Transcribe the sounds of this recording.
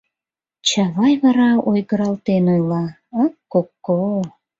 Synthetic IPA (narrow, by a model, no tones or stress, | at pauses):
t͡ɕɑβɑjβɑɾɑojɣəɾɑlt̪enojlɑ | əokːo